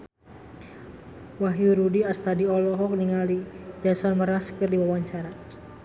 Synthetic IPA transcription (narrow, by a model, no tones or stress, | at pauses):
waɦiɾudiast̪adiɔlɔɦɔk̚niŋalid͡ʒasanməɾaskərdiwawaɲt͡ʃaɾa